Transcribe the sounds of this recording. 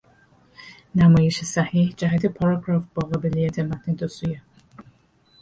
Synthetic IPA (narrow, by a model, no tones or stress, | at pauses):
næmɒːjeʃesæhiːhd͡ʒæɦæt̪ʰepʰɒɾɑkʰɾɒːft̪̚bɒːɣabelijæt̪ʰemæt̪ʰned̪osuje